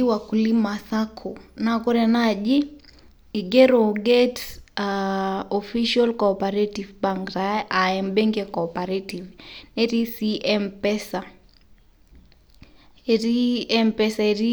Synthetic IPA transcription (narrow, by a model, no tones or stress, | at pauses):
iwakulimaθakʰɔnakɔɾɛnaʄi | iɡɛɾɔɡɛtsaɔfiʃalkɔpaɾɛtivbaŋktaʔaɛmbɛŋɡɛkɔpaɾɛtivnɛɾisiʔɛmpɛsa | ɾiɛmpɛsaɛɾi